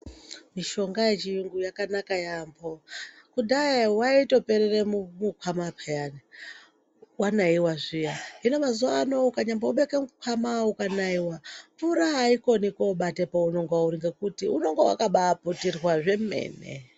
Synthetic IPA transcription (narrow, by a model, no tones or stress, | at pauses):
miʃo̞ŋɡaje̞t͡ʃiiŋɡujakanakajambo̞ | kudajiwaito̞pe̞ɾeremmukʰwamapʰajani | wanaiwaʐijaɦinomazuano̞ukaɲambouɓekemukʰwamaukanaiwaɱfuɾaɦaiko̞nikoːɓate̞paunoŋɡauɾiŋɡekutiuno̞ŋɡewa̰kaɓaputirwaʐe̞mḛːnḛ